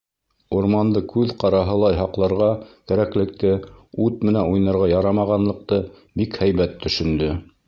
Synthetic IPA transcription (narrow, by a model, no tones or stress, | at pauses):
uɾmɑnd̪ɤkʉðqɑɾɑɦɤ̆lˠɑjɦɑqlˠɑɾʁɑkæɾæklɘ̆k̚t̪ɘʉt̪̚mɘ̆nænujnɑɾʁɑjɑɾɑmɑʁɑnlˠɤ̆q̚t̪ɤ | bikhæjβæt̪ʰːɵ̆ʃɵ̆nd̪ɵ